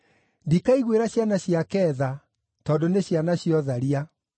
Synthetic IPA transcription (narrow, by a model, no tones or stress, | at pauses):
ndikaiɣweɾaɕjanaɕjakɛːða | tɔdoneɕjanaɕiɔðaɾia